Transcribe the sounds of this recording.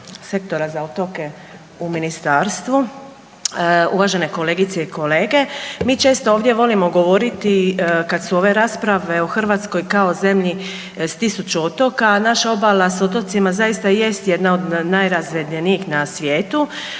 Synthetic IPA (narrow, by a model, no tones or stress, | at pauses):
se̞kt̪o̞ɾazaot̪o̞ke̞ | uminist̪aːɾst̪ʋu | uʋaʒe̞ne̞ko̞le̞ɡit̪seikʰo̞le̞ːɡe̞miːt͡ʃe̞ːst̪ooːʋd̪je̞ʋo̞limoɡo̞ʋo̞ɾit̪ikad̪suo̞ʋe̞ɾaːspɾaʋe̞oxr̩ʋaːt̪sko̞jkao̞ze̞mʎi | st̪isut͡ʃuo̞t̪o̞kanaʃao̞balasot̪o̞t̪simazaist̪aje̞st̪je̞d̪naod̪najɾazʋed̪eniixnasʋjeːt̪u